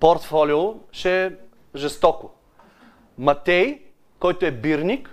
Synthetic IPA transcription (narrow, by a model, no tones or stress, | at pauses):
poɾt̪fɔlioʃɛ | ʒɛst̪ɔkʊ | mɐt̪ʲɛj | kɔjt̪oɛbiɾnʲik